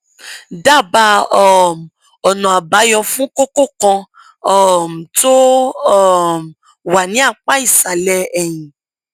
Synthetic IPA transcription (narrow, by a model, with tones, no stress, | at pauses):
da˦˨ba˧ɔ˦˨m˨ | ɔ˨nɔ̃˨a˨ba˨˦jɔ˧fũ˦ko˦ko˦˨kɔ̃˧ | ɔ˦˨m˨to˦ɔ˦˨m˨ | wa˨nĩ˨˦a˦˧k͡pa˦i˦˨sa˨lɛ˧ɛ˨j̃ĩ˨